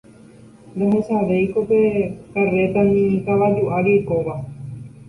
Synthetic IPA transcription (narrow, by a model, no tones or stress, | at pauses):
d̪oɦesaʋejkopekaret̪aɲĩk̪aβad͡ʒuʔaɾiekoβa